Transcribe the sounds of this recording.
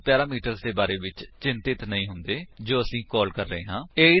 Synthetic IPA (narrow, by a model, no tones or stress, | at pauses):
pjɛːɾaːmiːʈəɾzd̪eːbaːɾeːʋɪt͡ʃt͡ʃɪnt̪ɪt̪nəĩːɦʊnd̪eːd͡ʒoːəsĩːkɔːlkəɾːəɦeːɦãːeːiː